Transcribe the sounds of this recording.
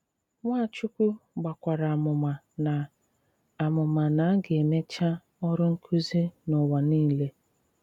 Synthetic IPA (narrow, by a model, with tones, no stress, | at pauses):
ŋʷa˦˨t͡ʃʊ˦kʷu˦ɡ͡ba˨kʷa˨ɾa˨a˨mʊ˨ma˨ | na˨ | a˨mʊ˨ma˨na˨a˦ɡe˨me˦t͡ʃa˦ | ɔ˦ɾʊ˦ŋ̩˦kʰu˦zi˦nʊ˨wa˨niː˦˨le˦